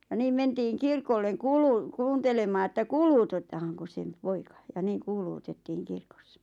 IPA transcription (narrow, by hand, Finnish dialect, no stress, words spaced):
jɑ niːm mentiːŋ kirkolːeŋ kuːluː kuːntelemɑː etːæ kuːluːtotːɑhɑŋkos sem poikɑ jɑ niːŋ kuːluːtetːiːŋ kirkosːɑ̥